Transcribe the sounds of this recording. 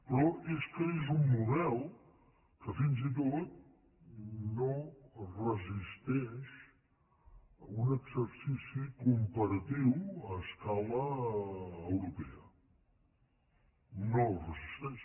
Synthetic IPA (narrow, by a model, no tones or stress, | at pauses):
pɾɔʔeskəezumːuðɛlˠ | kəfinzit̪̬ot̪̚ | norəzist̪ɛʃ | unəɡzəɾsisikumpəɾət̪iwəskaləː | wɾupɛə | norəzist̪ɛʃ